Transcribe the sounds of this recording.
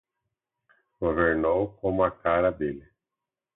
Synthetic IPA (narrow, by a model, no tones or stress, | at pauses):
ɡoveɾnowkõmakaɾad̪ele